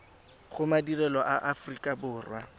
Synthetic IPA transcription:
χʊmadirɛlɔʔaʔafrikʼabʊːrwa̰

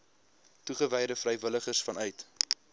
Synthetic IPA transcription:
tuχəvɛjdəfrɛjvələχərsfɐnœɥt

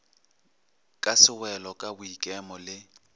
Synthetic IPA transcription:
kʼasɪwɛlɔkʼabʊikʼɛmɔlɪ

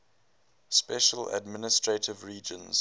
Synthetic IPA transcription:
spɛʃələ̰dmɪnɪstɹ̥etʰɪvɹiːd͡ʒə̃nz̥

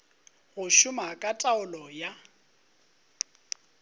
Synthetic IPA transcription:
ɣʊʃʊmakʼatʼaʊlɔja

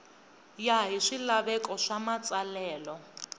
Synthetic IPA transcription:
jaɦiʂilaβɛkʼɔʂamat͡sʼalɛːlɔ

